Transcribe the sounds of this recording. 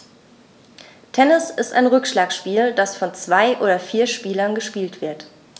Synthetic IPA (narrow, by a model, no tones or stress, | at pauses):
tʰɛnɪsɪsta̰ɪnʁʏkʃlaːkʃpiːldasfɔnt͡sv̥aɪʔoːɾɐfiːɐʃpiːlɐnɡəʃpiːltv̥ɪɐt